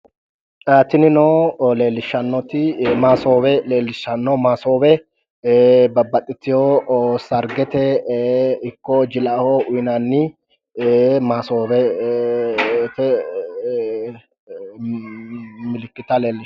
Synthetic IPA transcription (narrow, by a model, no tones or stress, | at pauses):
aːt̪ːɪnɪnoːle̞ːlːɪʃːɐnːɔt̪ɪmaːsoːbɛleːlːɪʃːɐnːɔmaːsoːbɛ | bɐbːɐt̪ʼːɪt̪ːɪjosɐɾɡɛt̪ɛ | ɪkːɔd͡ʒɪlɐhɔʔʊjnanːɪ | maːsoːbɛ | t̪ɛ | mɪlɪkːɪt̪ɐle̞ːlːɪʃ